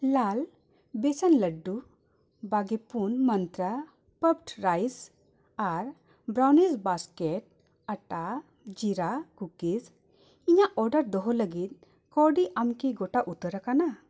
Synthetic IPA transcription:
lal | besanləɖːu | baɡepunmənt̪ɾa | pəpʈɾajs | aɾ | bɾawnisbaskeʈ̚ | əʈa | d͡ʒiɾakukis | iɲaʔɔɾɖəɾd̪ɔɦɔləɡit̪̚ | kɔɖiʔamkiɡɔʈaʔut̪əɾakana

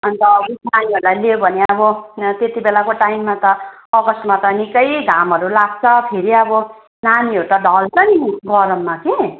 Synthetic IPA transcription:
ʌnt̪ʌunaniɦʌɾulajleobʱʌneʌbʌt̪et̪ibelakoʈajmːat̪ʌʌɡʌsmat̪ʌnikʌjd̪ʱamɦʌɾulaɡ̚t͡sʰʌpʰeɾiʌbʌ | naniɦʌɾut̪ʌd̪ʱʌlpʌniɡʌɾʌmːake

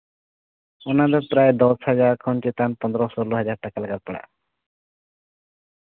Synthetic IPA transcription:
ɔnad̪ɔpɾaed̪ɔshad͡ʒaɾkʰɔnt͡ʃet̪anpɔnd̪ɾɔsɔlɔɦad͡ʒaɾʈakalaɡaɾ̚pɔɽa̰

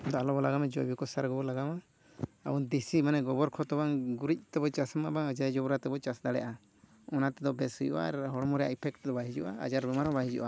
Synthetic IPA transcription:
d̪ɔalɔbɔlaɡamɛd͡ʒɔbikɔsaɾɡɔbɔlaɡama | a̰und̪isimanɛɡɔbɔɾkʰɔt̪ɔbaŋɡuɾic̚ˀt̪ɛbɔt͡ʃasmabaŋəd͡ʒad͡ʒɔbɾat̪ɛbɔt͡ʃasd̪aɽɛ̰ʔa | ɔnat̪ɛd̪ɔbɛsujṵʔa̰ɾɦɔɽmɔɾɛja̰ipʰɛk̚ʈd̪ɔbaɦid͡ʒṵʔa̰a̰d͡ʒaɾbɛmaɾɔbaɦid͡ʒṵʔa

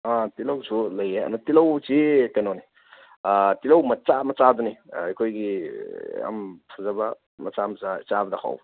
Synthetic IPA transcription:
atilɐwsʰulɐjeɐ̰mat̪ilɐwt͡ʃikɐnoni | atilɐwmɐt͡ʃamɐt͡ʃad̪uniɐjkʰojɡi | ɐ̰mtʰazabɐ | mɐt͡samɐt͡sat͡ʃabɐd̪akʰa̰w

